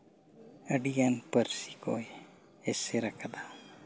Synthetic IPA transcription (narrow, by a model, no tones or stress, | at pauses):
əɖijanpəɾsikɔ̰j | ɛsɛɾakʰad̪a